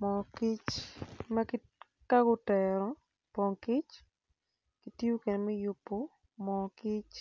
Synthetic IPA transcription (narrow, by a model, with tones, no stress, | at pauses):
mɔ˨ki˦t͡ʃma˦ki | ka˦ɡʊ˦tɛɾɔ˨ | pɔ˨ŋkɪ˦t͡ʃ | ki˦ti˦o˦ke˨nɛ˨mɛ˦jʊ˨pːo˦ | mɔ˨ki˦t͡ʃ